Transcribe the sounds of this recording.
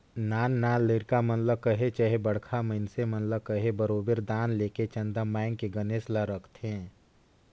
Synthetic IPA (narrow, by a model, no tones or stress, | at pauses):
naːnːaːlɪɾkamənləkəɦet͡ʃəɦebəɽ̤kʰaməɪnsemənləkəɦebəɾoːbəɾd̪aːnleːket͡ʃə̃nd̪əmɛːŋɡkeɡəneːsləɾəkʰt̪ɦẽː